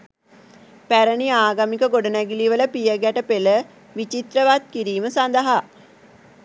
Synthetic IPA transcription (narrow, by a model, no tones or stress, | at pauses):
pæɾəniaːɡamikəɡoɖənæɡiliʋələpijəɡæʈəpelə | ʋit͡ʃit̪ɾəʋat̪̚kiɾiːməsand̪əɦa